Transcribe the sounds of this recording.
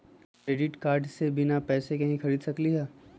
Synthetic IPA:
kɾeːɖɪʈkaːɾɖsebɪnapɛːsekɐɦĩxɐɾiːd̪sɐkliɦɛː

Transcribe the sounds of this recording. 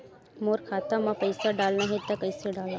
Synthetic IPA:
moːɾkʰaːt̪ãmãpəɪsaɖaːlnaɦet̪akəɪseɖaːlaː

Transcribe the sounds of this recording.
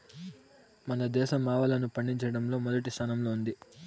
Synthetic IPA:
mɐnɐd̪ɛːʃɐmaːʋɐlɐnupɐɳɖiɲt͡ʃɐɽɐmlo̞ːmɔd̪ɐʈist̪ʰaːnɐmlo̞ːund̪i

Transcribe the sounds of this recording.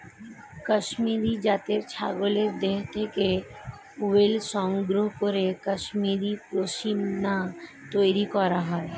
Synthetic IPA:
kəʃmiɾid͡ʑat̪eɾt͡ɕʰaɡoleɾd̪eɦt̪ʰeke | uwelʃɔŋɡɾoɦkoɾekəʃmiɾipɾoʃimna | t̪ojɾikɔɾaɦɔe

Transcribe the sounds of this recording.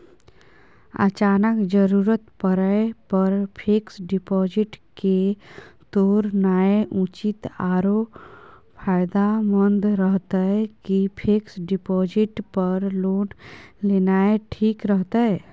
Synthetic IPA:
ə̰t͡ʃaːnəkd͡ʒəɾuːɾət̪pəɾəepəɾpʰeːksɖɪpɔːd͡ʒɪʈket̪oːɾnaːeʔut͡ʃit̪aːɾo | pʰaːjd̪amənd̪ɾəɦt̪aɛkipʰeksɖipɔːd͡ʒɪʈpəɾloːnlenaːeʈʰiːkɾəɦt̪aɛ

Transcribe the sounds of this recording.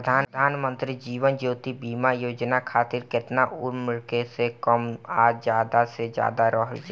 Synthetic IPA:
d̪ʱaːd̪ʱaːnmə̃nt̪ɾid͡ʒiːʋənd͡ʒoːt̪ibiːmajoːd͡ʒnakʰaːt̪ɪɾkɪt̪naʔʊmɪɾkesekəmaːd͡ʒjaːd̪ased͡ʒja̰ːd̪aɾɔːɦəlt͡ʃ

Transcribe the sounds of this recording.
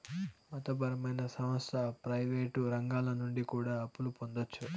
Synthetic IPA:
mɐt̪ɐbɐɾɐmɐjnɐsɐmɐst̪ɐpɾɐjʋeːʈuɾɐŋɡaːlɐnuɳɖikuːɽaːɐpːulupo̞nd̪ot͡ʃːu

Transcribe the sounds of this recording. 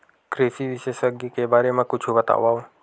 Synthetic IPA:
kɾesiʋɪʃeʃəɡjikebaːɾemãkʊt͡ʃʰũbət̪a̰ʋaõ

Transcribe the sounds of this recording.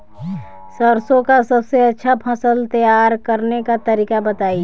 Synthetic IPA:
səɾsõkasəbseɐtːʃʰapʰəsəlt̪əjaːɾkəɾnekat̪əɾiːkabət̪aːi

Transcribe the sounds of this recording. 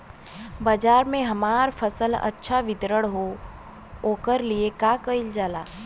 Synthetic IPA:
baːd͡ʒaːɾmẽɦɐmaːɾfʰɐsəlɐ̰tːʃʰaʋɪt̪ɾəɽɦo | oːkəɾliekaːkəɪld͡ʒaːla̰ː

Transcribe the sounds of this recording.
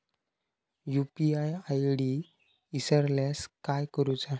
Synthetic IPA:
jupiajajɽi | isəɾljaskajkəɾut͡sa

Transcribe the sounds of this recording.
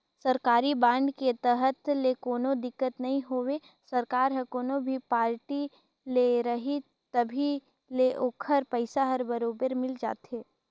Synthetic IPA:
sɐɾkaːɾibãːɳɖket̪əɦət̪lekoːnod̪ɪkːət̪nɐɦĩɦoːwe | sɐɾkaːɾɦəkoːnobʱipaːɾʈi | leɾɐɦi | t̪ɐbʱi | leʔoːkʰəɾpəɪsaɦɐɾbɐɾoːbəɾmɪld͡ʒa̰ːt̪ɦeː

